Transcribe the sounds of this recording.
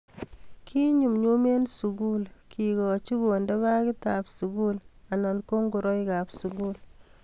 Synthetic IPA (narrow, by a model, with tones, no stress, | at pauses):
kʰi˦ɲu˨mɲo˦me˦nsu˨ɡu˦lkʰi˨ɡɔ˨t͡ʃi˦ku˨ndɛ˦βa˦ki˦ta˨psu˨ɡu˦la˨nɔ˨nko˦ŋɡu˨ɾɔ˦ika˨psu˨ɡul